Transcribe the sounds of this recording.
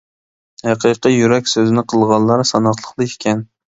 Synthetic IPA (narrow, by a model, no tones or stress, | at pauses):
hæqʰiqijyɾɛkʲsøzɪnɪqʰəlˠʁɑnˠlːˠɑɾsɑnɑχlˠəχlˠɨɪ̥kʲʰɛn